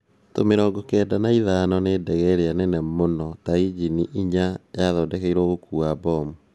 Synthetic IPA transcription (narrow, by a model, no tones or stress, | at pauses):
tomeɾɔːɡɔkɛːdanaiðanɔneːdɛɣɛɾeanɛnɛmonɔtaid͡ʒiniʔiɲajaðɔːdɛkeiɾɔɣokuːabɔmu